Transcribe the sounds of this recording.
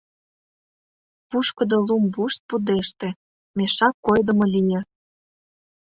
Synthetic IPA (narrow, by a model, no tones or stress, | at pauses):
puʃkɤ̆d̪olumvuʃt̪̚pud̪eʃt̪ĕ | meʃɑkːojd̪ə̆mɤlʲijĕ